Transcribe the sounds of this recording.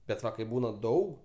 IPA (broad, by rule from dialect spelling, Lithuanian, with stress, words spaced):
bʲɛt ˈʋɐ kɐɪp ˈbuːnɐ ˈdɐʊk